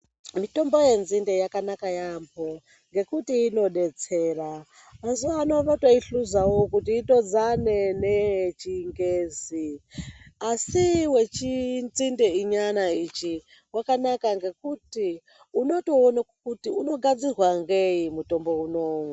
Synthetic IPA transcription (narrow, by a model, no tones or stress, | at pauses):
mitomboje̞nzindejakanakajambʰo | ŋɡe̞kutiːno̞ɗet͡seːra | mazuano̞ʋatwaiɬuzawokutiːto̞d͡zanenet͡ʃiŋɡeːzi | asiwe̞t͡ʃinzindeiɲanait͡ʃi | wakanakaŋɡe̞kuti | uno̞toːnakutiuno̞ɡad͡zirwaŋɡejimuto̞mbounoːŋu